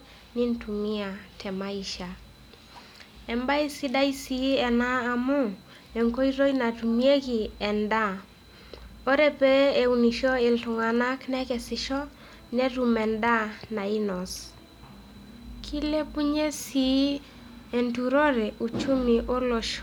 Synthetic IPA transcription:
ni˦ntu˨mi˦a˨tʰɛ˨ma˦i˨ʃa˨ | ɛ˨mba˦i˦si˦da˦i˦si˦ɛ˨naː˦˨mʊ˦ | e˨ŋko˦i˦ɾo˦ina˨tu˨mi˦e˦ki˨ɛ˨nda˦ | o˦ɾe˦pe˦e˨u˨ni˨ʃo˦ɪ˨ltʊ˨ŋa˨na˦knɛ˦kɛ˨sɪ˨ʃɔ˦ | nɛ˦ɾu˨mɛ˨nda˦na˨i˦nɔ˨s | kʰi˦le˦pu˦ɲe˦si˨˦ | e˨ntu˨ɾo˦ɾɛ˨ʔu˨t͡ʃu˦mi˨ʔo˦lɔ˨ʃ

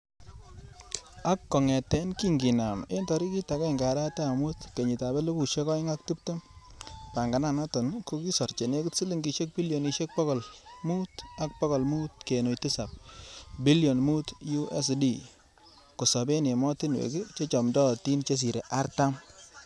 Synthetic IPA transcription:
a˦kːɔ˨ŋɛ˨tɛ˦nki˦ŋɡi˨na˨me˦ntɔ˨ɾi˦ki˦ta˨kɛ˦˨ŋɡa˨ɾa˦tɛ˦˨mu˦tke˨ɲi˨ta˨bɛ˦lo˦bu˨ʃe˦kɔ˦jŋa˦k̚tu˦p̚to˦mpa˨ŋɡa˨na˦˨nɔ˦tɔ˨nko˦ki˦sɔ˨ɾt͡ʃe˨ne˦ku˦tsi˦li˦ŋɡi˨ʃe˦k̚bi˦ljo˨ni˨ʃe˦k̚pɔ˦kɔ˨lmu˦ta˦k̚pɔ˦kɔ˨lmu˦t̚ke˨no˨jti˦sa˨p̚bi˦ljo˨nmu˦tju˦ʔɛ˦s̬di˦ | ko˨sa˨be˦ne˨mɔ˦ti˦nwḛ˨ki˦t͡ʃe˦t͡ʃɔ˨mdɔ˦ti˦nt͡ʃe˦s̬i˨ɾe˨ʔa˦ɾta˦m

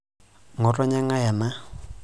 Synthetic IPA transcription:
ŋɔ˨rɔ˦ɲa˦ŋa˦ja˨ma˦

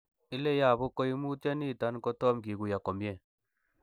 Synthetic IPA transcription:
ɪ˦le˦ja˨bʊ˦ko˦i˦mu˦tja˦ni˦˨ta˦nkɔ˦tɔ˦mɡi˨ɡu˨ja˨kɔ˨mje˦˨

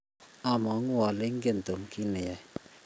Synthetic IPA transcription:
a˦mɔ˨˦ŋ˦wɔ˨lɪ˦ŋ˦ɡe˦˨n˨t̪o˨mki˦nɪ˨jɛ˨

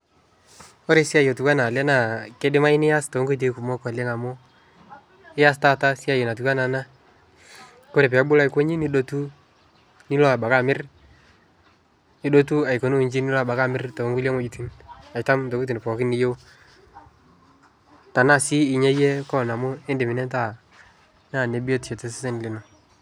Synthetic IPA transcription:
o˦ɾe˦si˦a˦˨jo˨tu˨ka˦na˨lɛ˦na˨kɪ˦dɪ˦ma˦ɪ˦nɪ˦ja˦sto˨˦ŋɡo˦t̬e˨ku˨mo˦kɔ˨le˦ŋa˨mʊ˦ | ɪ˦ja˦sta˦ta˦si˦a˨jo˨na˨t̬u˨ka˦na˨na˦ | ko˦ɾe˨pɛ˨a˦bʊ˦la˦i˦ko˦ɲi˦ni˦do˦tu˦ | ni˦lɔ˦a˨ba˨ka˦˨mɪ˦r | ni˦ɗo˦tu˦a˨i˨ko˨˦n˦i˨ɲd͡ʒi˦ni˦lɔ˦a˨ba˨ka˦˨mɪ˦rto˨o˦ŋɡu˦le˦ŋo˦d͡ʒi˨ti˦na˨ta˦mto˨ku˦t̬i˨n˨pɔ˨kɪ˦nɪ˦jo˦w | ta˨na˦˨si˦ɪ˨ɲe˦je˦kɔ˦˨na˨mʊ˦e˦ndɪ˨mɪ˨nɛ˦nta˦˨ | na˦˨ne˨˦bo˦tt͡ʃe˨te˦sɪ˦se˦n˨lɪ˨no˨

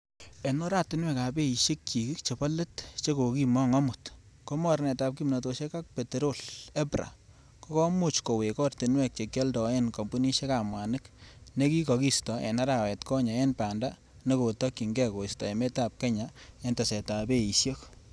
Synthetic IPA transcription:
e˨nɔ˦ɾaː˨tɪ˦nwɛ˨ka˨be˦iʃje˦k̚t͡ʃi˨ki˦kt͡ʃe˨pa˦le˦tt͡ʃe˦ko˨kimɔ˦ŋɔ˦mʊtko˦mɔ˨ɾnɛ˨ta˨p̚ki˦mnɔ˨to˨ʃe˦ka˦k̚pe˨te˨ɾo˦lɛ˦bɾa̰˨ | ko˦kɔ˦mʊ˦t͡ʃko˨we˨kɔ˦rti˨nwɛ˨k̚t͡ʃe˨kje˦ldɔ˨enko˨mbu˦ni˦ʃe˦ka˨mwa˨nɪkne˦ki˦kɔkistɔḛ˨na˦ɾa˨wɛ˨tkɔ˦ɲa˨e˦npa˨nda | ne˦ko˨tɔki˨ŋɡɛ˦ko˨i˨stɔ˨e˨me˦tap̚ke˦ɲae˦nta˨sɛ˨ta˨pe˦iʃjok

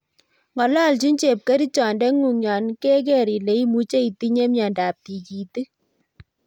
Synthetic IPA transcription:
ŋɡɔ˨lɔ˦˨lt͡ʃi˦nt͡ʃe˨p̚kɛ˦ɾi˦t͡ʃɔ˨ndɛ˦ŋu˨ŋjɔ˨nke˦k̬ɛ˦ɾi˨le˨˦i˦mu˦t͡ʃe˦i˨ti˦ɲe˦mjɔ˨nda˨p̚ti˨ki˨ti˦

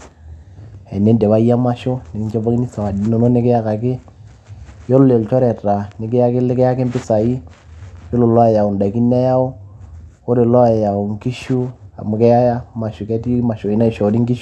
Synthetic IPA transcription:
ɛ˨ne˦ndɛ˨βa˦ja˦ma˦ʃʊ˦nɪ˨kɪ˦nt͡ʃɛ˦ba˦ki˦ni˦sa˨a˨di˨no˨no˦nɪ˦kɪ˦ja˦ka˨kɪ˦ | jɔ˦lʊ˦le˨lt͡ʃɔ˦ɾɛ˨ta˨nɪ˨˦kɪ˦ja˦kɪ˦lɪ˦kɛ˦a˦kɪ˦mbɪ˦sa˨i˦ | jo˦lʊ˨lɔ˦˨ja˨ʊ˨nda˨ki˦nɛ˦ja˦ʊ˦ko˦ɾe˨lɔ˦˨jja˨ʊ˨ŋki˦ʃu˦a̰˨mʊ˨kɛ˦ja˦ja˦ma˨ʃʊ˨kɛ˦ti˦ma˨ʃo˨i˨˦na˦i˨ʃɔ˨ɾi˦ŋɡi˦ʃ

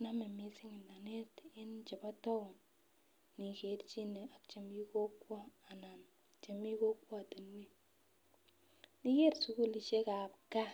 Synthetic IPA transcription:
na˦me˨mi˨sɪ˦ŋɪ˨nda˨ne˦tɪ˦nt͡ʃe˨pa˦tɔ˦ʊ˨n | ni˨ke˨ɾt͡ʃi˦ne˨a˨k̚t͡ʃe˨mi˦ko˦kwɔ˦a˨na˨n | t͡ʃe˨mi˦ko˦kwɔ˦a˨te˨n˦we˦ | ni˦ke˦ɾsu˦ku˦˨li˨ʃe˦ka˨p̚ka˦

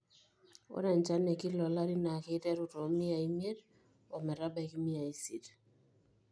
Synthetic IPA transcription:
o̰˦na˨nt͡ʃa˦ne˨ki˦lɔ˨la˦ɾi˦na˨ke˦tɛ˦ɾu˦˨to˨˦mi˦a˨i˦mje˦d | o˨mɛ˨ɾa˦bɛ˨ki˦mi˦a˨i˦si˨t

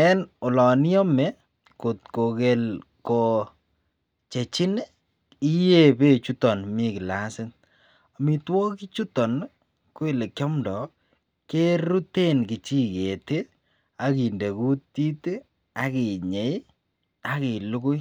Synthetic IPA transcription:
ɛ˦nʊ˨lɔ˨ni˦ɔ˦me˦ | ko˨tko˨ke˨lko˨ | t͡ʃe˨t͡ʃi˦n˦ | i˦je˦be˦t͡ʃu˦tɔ˨nmi˦kɪ˨la˦sɪ˦n | a˨mi˨twɔ˦ki˦t͡ʃu˦tɔ˨n | ko˦e˨le˨kjɔ˦mdɔ˨ | ke˦ɾu˦te˦nkɪ˨t͡ʃi˦ke˨te˦ | a˨ki˨nde˨ku˦tti˦te˦ | a˨ki˨ɲe˨i˦ | a˦kɪ˨lu˦kʊ˦j

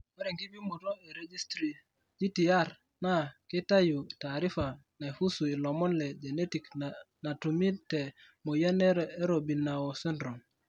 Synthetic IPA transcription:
ɔ˦ɾɛ˨ŋki˦bi˦mo˨to˦e˨ɾe˨d͡ʒi˦stɾi˨ | d͡ʒi˦ti˨a˦˨ɾ | na˦ki˦ta˦ju˨ta˨ɾi˦fa˨ | na˨e˨fu˦su˨i˨lɔ˨mɔ˦nlɛ˨d͡ʒe˨ne˦ti˨k | na˨tu˨mi˦tɛ˨ | mo˨ja˦nɛ˦ɾe˦ɾo˨bi˨na˨ɔ˨sɛ˦ndɾo˨m

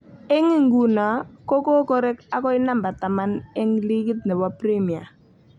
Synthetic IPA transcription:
ɛ˦ŋi˨ŋɡu˨na˨ko˦ko˦ko˦ɾɛ˦ka˨kɔ˦ɪ˦na˦mba˨ta˨ma˦nɛ˦ŋli˦ki˦tnɛ˨bɔ˦pɾi˦mi˨a̰˨

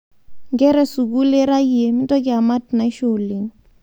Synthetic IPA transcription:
ŋɡɛ˦ɾɛ˦su˨k̬u˦lɛ˦ɾa˦ji˦e˨mi˦tʼɔ˦k̬ɛ˦a˨ma˦tna˨i˦ʃo˨li˨ŋ

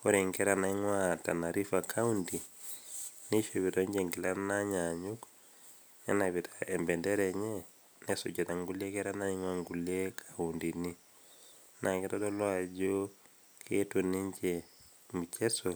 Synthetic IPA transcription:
o˦ɾi˨ŋkɛɾa˨na˦i˦ŋwata˨na˨ɾi˦fakʰa˦undi˨ | ni˦ʃeβitɔɲd͡ʒeŋɡi˨la˦naɲaɲuk | nɛ̰˦naβitʰaembɛ˨ndɛ˦ɾɛɲɛ˦ | nɛ˦su˨ɟɛta˨ŋɡu˦le˦kɛ˦ɾa˦na˦i˦ŋwa˦ŋɡulje˦kʰaundini˦ | nʔa˨ŋɡɛtɔ˦dɔ˦lwa˨ɟo˦ | kʰetuni˦ɲd͡ʒe | mu˨t͡ʃe˦so˨

